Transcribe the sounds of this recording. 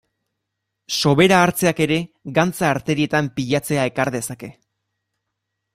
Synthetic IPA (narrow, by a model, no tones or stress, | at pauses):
so̞βe̞ɾaːɾt͡se̞ake̞ɾe̞ɡant͡saːɾt̪e̞ɾie̞t̪ampiʎat͡se̞ae̞kaɾðe̞sake̞